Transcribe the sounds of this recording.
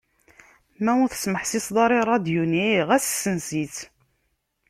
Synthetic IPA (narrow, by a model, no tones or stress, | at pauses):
mæwʊθə̥sməħsisd̪ˤɑɾˤiɾˤɑd̪juniʁæssːənsit͡s